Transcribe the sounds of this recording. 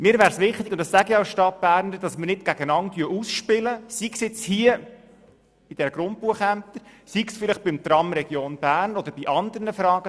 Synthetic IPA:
mɪːɾvæːɾsʋɪχt̪ɪɡʊnd̪əssæɡəɑʊsʃtɑt̚b̥æːɾnəɾdɑsməɾnɪtɡ̥æɡənɑntyəusʃpɪləsiksjɪt͡shiə | b̥id̥̪ɛɾəɡ̥ɾʊnt̚puəχæm̚t̪əɾsiksfɪlɪχb̥ɪmt̪ɾɑmɾɛɡ̥joːnb̥æːɾnɔd̥̪əɾb̥iʔɑnd̪ərnəfɾɑːɡ̥ə

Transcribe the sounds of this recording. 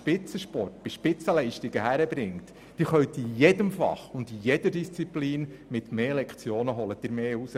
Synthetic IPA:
pɪt͡səʃpɔrt̚b̥iʃpɪt͡səlɛɪʃtiɡ̥əhæɾəbɾɪŋt | d̥iːχœɥt̪ijɛdəmfɑ̰χʊnd̪ijɛd̥əɾdist͡sipliːn | mɪt̪meːlɛkχt͡sjoːnəɦɔlət̪ɪɾmeːhusə

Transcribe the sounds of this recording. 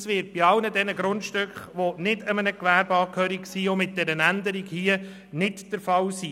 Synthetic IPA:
sʋɪːɾt̚b̥ɪɑwnədɛnəɡɾʊntʃtʏkχʋonɪdəmənəkʋæːɾbɑːkʰœːɾiksiːʊmɪt̚d̥ɛɾənændəɾiɡhiə | nɪtd̥əɾfɑlsiː

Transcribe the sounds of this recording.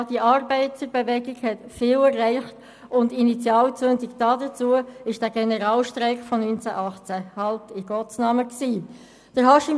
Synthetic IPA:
d̥iəʔɑːɾbɛɪtt͡səbevɛɡiɡhɛtfɪːlɛrːæɪχt | ʊndinit͡sjɑːlt͡søndɪkd̥ɑːdət͡suəɪʃd̥æːɡ̥ɛnəɾɑːlʃtɾɛɪkfɔnynt͡sæ̰ʔɑχt͡sæhɑltɪɡ̥ɔt͡snɑməksiː | d̥əɦɑʃɪ

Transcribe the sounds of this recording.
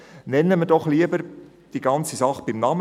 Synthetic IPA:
nɛnːəmədɔχliəbəɾ | d̥iɡɑnt͡sisɑχb̥ɪmnɑm

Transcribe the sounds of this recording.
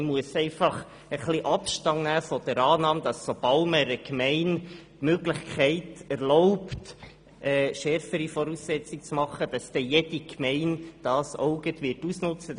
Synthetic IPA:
muəsɛɪfɑχ | əχliʔɑpʃtɑŋnæːfɔd̥əɾɑːnɑːmd̥̪ɑsːob̥ɑlməɾəkmɛɪntmøɡlɪχkʰɛɪtæɾlɔʊpt | ʔɛːʃɛɾfəɾifɔɾusːɛt͡sik̚t͡smɑχəd̥ɑsd̥̪ɛjɛd̥ikmɛɪnd̥ɑːsɔʊɡətʋɪtusnʊt͡sə

